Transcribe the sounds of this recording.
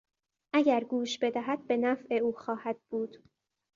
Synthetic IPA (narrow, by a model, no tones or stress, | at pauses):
ʔæɟæɾɡuːʃbe̞d̪æɦæd̪̥̚be̞næfʔe̞uːxɒːhæd̪̥̚buːd̪̥